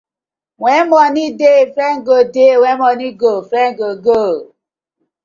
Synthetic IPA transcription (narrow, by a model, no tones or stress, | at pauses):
wɛmɔnidefɾɛŋɡodewɛmɔniɡofɾɛŋ̩ɡoɡo